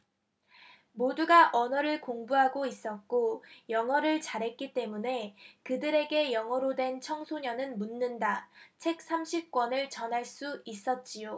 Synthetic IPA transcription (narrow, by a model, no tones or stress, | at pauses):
moduɡaʔʌnʌɾɯɭkoŋbuɦaɡois͈ʌt̚k͈ojʌŋʌɾɯɭt͡ɕaɾɦe̞t̚k͈it͈e̞mune̞kɯdɯɾe̞ɡe̞jʌŋʌɾodwe̞nt͡ɕʰʌŋsʰoɲʌnɯnmunːɯndat͡ɕʰe̞k̚s͈ʰamɕʰip̚k͈wʌnɯɭt͡ɕʌnɦaɭs͈uis͈ʌt̚t͡ɕ͈ijo